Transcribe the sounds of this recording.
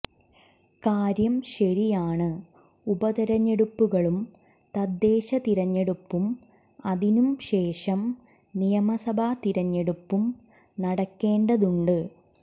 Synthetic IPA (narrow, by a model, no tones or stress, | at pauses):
kaːɾjɐmɕɐɾijaːɳɨ | ubɐt̪iɾɐɲːeɽupːuɣɐɭum | t̪ɐd̪ːe̞ːɕɐt̪iɾɐɲːeɽupːum | ɐðinumɕe̞ːʂɐm | nijɐmɐsɐbʱat̪iɾɐɲːeɽupːum | nɐɽɐkːe̞ːɳɖɐðuɳɖɨ